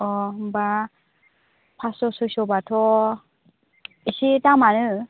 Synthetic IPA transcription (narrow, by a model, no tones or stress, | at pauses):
ɔba | pʰasɔsusɔbatʰɔ | isitamanɯ